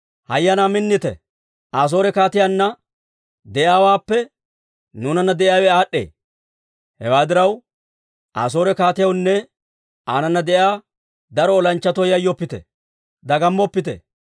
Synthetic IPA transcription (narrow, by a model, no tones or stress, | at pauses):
hɐjːɐnamɪnːɪt̪ɛ̰ | aːs̬o̞ːɾɛkaːt̪ɪjanːɐ | d̪ɛʔjaːwaːpːɛ | nuːnɐnːɐd̪ɛʔjɪjaːwɛaːɗːḛː | hɛ̰waːd̪ɪɾɐw | ʔa̰ːs̬o̞ːɾɛkaːt̪ɪjɐwnːɛ | aːnɐnːɐd̪ɛʔjaː | d̪ɐɾɔːlɐnt͡ʃːɐt̪ɔjɐjːɔpːɪt̪ɛ̰ | d̪ɐɡɐmːɔpːɪt̪ɛ̰